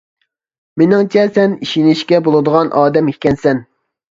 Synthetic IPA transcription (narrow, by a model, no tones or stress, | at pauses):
menɪŋt͡ʃʰɛsɛniʃinɪʃkʲɛbolˠɨd̪əʁɑnʔɑːd̪ɛmihʲkʲɛnsɛn